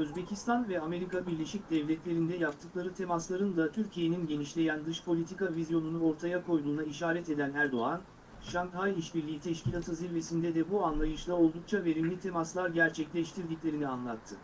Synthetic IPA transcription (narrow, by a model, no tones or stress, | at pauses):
øzbe̞cʰist̪ʰanvɛame̞ɾikabiɾlʲe̞ʃic̚d̪ɛvlʲɛt̪lʲe̞ɾind̪ɛjap̚t̪ʰɯklˠaɾɯt̪ʰe̞maslˠaɾɯnd̪at̪ʰyɾcʰije̞ninɟe̞niʃlʲe̞jænd̪ɯʃpʰo̞lʲit̪ʰikavizjo̞nunuo̞ɾt̪ʰajakʰo̞jd̪uːnaiʃaːɾɛt̪e̞d̪ænæɾd̪o̞an | ʃaŋhajiʃbiɾlʲiit̪ʰɛʃcilʲat̪ʰɯziɾve̞sind̪ɛd̪ɛbuanlˠajɯʃlˠao̞lˠd̪uk̚t͡ʃʰave̞ɾimlʲit̪ʰe̞maslˠaɾɟæɾt͡ʃʰɛclʲɛʃt̪ʰiɾd̪icʲlʲe̞ɾinianlˠat̪ʰːɯ